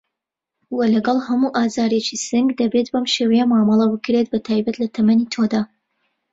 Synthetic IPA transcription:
wɐlɐɡɑlˠhɐmuʔaːzaːɾet͡ʃisɨŋɡd̪ɐbe̞t̪bɐmʃeːwɐjamaːmɑlˠɐbɨkɾet̪̚bɐt̪ʰaːjbɐt̪lɐt̪ʰɐmɐnit̪ʰod̪aː

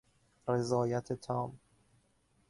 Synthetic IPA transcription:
ɾe̞zɒːjæt̪ʰet̪ʰɒːm

